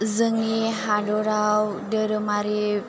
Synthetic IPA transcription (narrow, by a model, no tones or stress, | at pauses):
zəŋiɦadoɾaw | dəɾəmaɾi